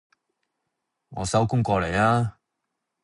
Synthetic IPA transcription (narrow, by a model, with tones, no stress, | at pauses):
ŋɔ̰ː˨˧sɐ˨˥wkʊ˥ŋkɔː˧le˨˩jaː˥